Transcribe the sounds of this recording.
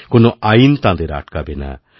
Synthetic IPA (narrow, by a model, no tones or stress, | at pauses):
konoaint̪ãd̪eɾa̰ʈkabena̰